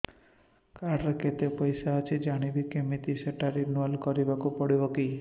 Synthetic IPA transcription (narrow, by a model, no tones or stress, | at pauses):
kaɾket̪epɔjsaət͡ʃʰid͡ʒaɽ̃ibikemit̪iseʈaɾinualkɔɾibakupɔɽibɔki